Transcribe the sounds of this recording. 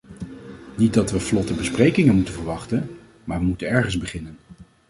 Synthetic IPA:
nit̚dɑtʋəflɔtəbəsprejkɪŋənmutənvəɹʋɑχtən | maːɹʋəmutənɛɹχənzbəχɪnən

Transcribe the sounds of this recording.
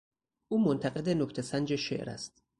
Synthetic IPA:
ʔuːmont̪ʰæɣe̞d̪enokt̪ʰesænd͡ʒeʃe̞̰ʔɾæ̰st̪

